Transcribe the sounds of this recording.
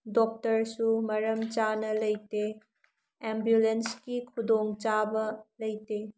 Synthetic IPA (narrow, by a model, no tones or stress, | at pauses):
dok̚tɐɾsumɐɾɐmt͡ʃanɐlɐjte | embjulenskikʰudoŋt͡ʃabɐlɐjte